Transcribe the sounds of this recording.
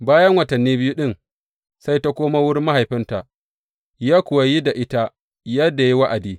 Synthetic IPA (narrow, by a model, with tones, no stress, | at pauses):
baː˦jɐ˦ŋwɐ˨tɐ˨nːiː˦bɪ˦ju˦ɗɪ˦ŋ | sa˦jta˦kʷoː˦ma˦wʊ˦ɾma˦ha˨jɸɪ˦nta˨ʔ | jaː˦kʷʊ˨wɐ˨ji˦da˨ʔɪ˦ta˦ | jɐ˦da˨ji˦wa˦ʔa˨diː˦